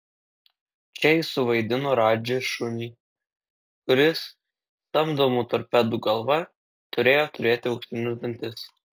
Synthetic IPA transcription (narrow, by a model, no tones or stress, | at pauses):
t͡ʃʲɛɪsʊʋɐɪd̪ʲɪnoːɾɑːd͡ʒʲeʃʊnʲiː | kʊɾʲɪs | st̪ɐmd̪omuːt̪ɔɾʲpʲɛd̪uːɡɐlˠʋɐ | t̪ʊɾʲeːjoːt̪ʊɾʲeːt̪ʲɪɐʊkʃʲt̪ʲɪnʲʊzb̪ʲɐnʲt̪ʲɪs